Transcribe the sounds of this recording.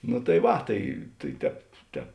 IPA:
nʊ tɐɪ ˈʋɐ ˈtɐɪ tɐɪ ˈtʲɛːp ˈtʲɛːp

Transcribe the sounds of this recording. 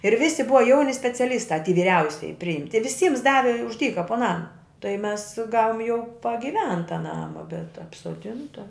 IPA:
ɪr ˈʋʲɪsʲɪ ˈbʊʋɐ ˈjɛʊnʲɪ sʲpʲɛt͡sʲɛˈlʲiːstɑː tʲiː ʋʲɪˈrʲɛʊsʲɪjɪ pʲrʲɪˈɪmʲtʲɪ ʋʲɪˈsʲiːms ˈdɑːʋʲɪ ʊʃ ˈdʲiːkɐ poː ˈnɑːmɐ tɐɪ mʲɛs ˈɡɑːʋoːm jɛʊ pɐɡʲɪˈʋʲɛntɐ ˈnɑːmɐ bʲɛt ɐpsoːˈdʲɪntɐ

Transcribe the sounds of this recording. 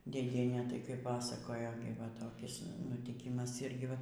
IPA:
dʲeːˈdʲiɛnʲeː tɐɪ kɐɪ ˈpɑːsɐkoːjoː ɡʲɪ ʋɐ toːˈkʲɪs nʊtʲɪˈkʲɪmɐs ˈɪrʲɡʲɪ ˈʋɐ

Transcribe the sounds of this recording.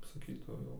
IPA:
sɐˈkʲiːtɐʊ jɛʊ

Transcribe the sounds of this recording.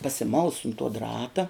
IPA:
pɐsʲɪˈmɐʊs ʊn tuɔ ˈdrɑːtɐ

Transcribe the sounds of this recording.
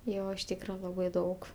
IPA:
ˈjoː ɪʃ ˈtʲiːkrɐ ˈlˠɑːbɐɪ ˈdɐʊk

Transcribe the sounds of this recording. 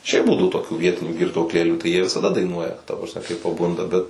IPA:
ˈʃʲɛɪp ˈbuːdɐʊ toːˈkʲuː ˈʋʲiɛtʲɪnʲuː ɡʲɪrtuɔkˈlʲeːlʲuː tɐɪ ˈjiɛ ʋʲɪsɐˈdɐ dɐɪˈnuɔjɛ tɐ prɐsʲˈmʲɛ kɐɪ pɐˈbʊndɐ ˈbʲɛt

